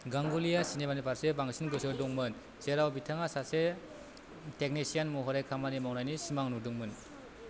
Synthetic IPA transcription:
ɡaŋɡulijasinebanipʰaɾsebaŋsinɡɯsɯduŋmɯn | seɾawbitʰaŋasase | tek̚nisianmuɦɔɾekʰamanimawnajnisimaŋnuduŋmɯn

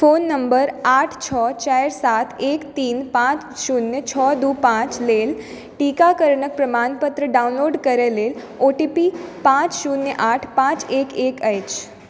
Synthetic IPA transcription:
fonːəmbəɾaʈʰt͡ɕʰɔt͡ɕajɾsat̪ʰekt̪iːnpãt͡sɕunːjət͡ɕʰɔd̪uːpãt͡ɕleːl | ʈikakəɾɳək̚pɾəmanpət̪ɾəɖaunloɖkəɾəlel | oʈipipãt͡sɕunjəʔaʈʰpãt͡sekekəjt͡ɕ

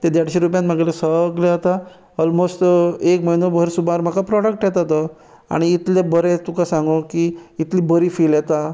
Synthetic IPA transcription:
t̪ed̪jaɽɕĩɾup̬jãnm̤aɡelesəɡleɦət̪a | ɔlmosʈekməjnobʱəɾsubʱaɾm̤akapɾɔɽək̚ʈjɛt̪ət̪ɔ | a̰ɽ̃iːt̪lebəɾet̪ukasãŋɡokiːt̪libəɾiːfiljɛt̪a

